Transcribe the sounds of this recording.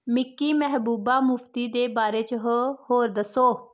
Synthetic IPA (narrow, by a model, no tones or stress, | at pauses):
mɪkːiːmɛɦbuːbaːmʊft̪iːd̪eːbaːɾeːt͡ʃɦhoːɾd̪əsoː